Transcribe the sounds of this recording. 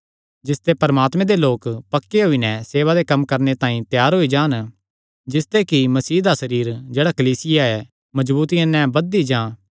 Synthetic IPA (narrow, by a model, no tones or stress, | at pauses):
d͡ʒɪst̪epɐɾɐmaːt̪mɛ̃d̪eloːkpɐkːeɦoinɛ̃seːʋad̪ekɐmːkɐɾnet̪ãːĩt̪jaːɾɦoid͡ʒaːn | d͡ʒɪst̪ekimɐsiːd̪asɐɾiːɾd͡ʒeːɽakɐliːsɪjaɛː | mɐd͡ʒbuːt̪iãnɛ̃bɐd̪id͡ʒãː